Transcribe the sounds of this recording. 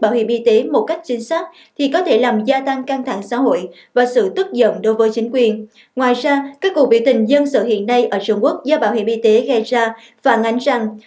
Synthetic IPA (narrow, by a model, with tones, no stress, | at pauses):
ɓa̰ː˧˨whḭ˧˨˩mʔi˧t̪e˨˦mo˨˩t̚ka˦˥jk̟̚t͡ɕï˨˦ŋ̟saː˦˥k̚ | t̪ʰi˨˩kɔ˨˦t̪ʰe˧˩laː˨˩mzaː˧t̪a˧ŋka˧ŋt̪ʰa̰˧˩˨ŋsa̰ː˧˥ɦo̰˧˨j | vaː˨˩sɨ̰˧˨t̪ɨ˦˥t̚zə̰˧˨nɗo˨˦jvəː˨˦jt͡ɕï˨˦ŋ̟kwi˨˩ən | ŋwaː˨˩jzaː˧kaː˦˥kːu˨˩k̚ɓḭ˧˨wt̪ï˨˩ŋ̟zə˧nsɨ̰ː˧˨hḭ˧˨ənːa˧jʔəː˧˩t͡ɕu˧ŋ͡mku˦˥ək̚zaː˧˦ɓaː˧˨whḭ˧˩mʔi˧t̪e˨˦ɣə˧jzaː˧ | faː˧˩nʔa˨˦jŋ̟za˨˩ŋ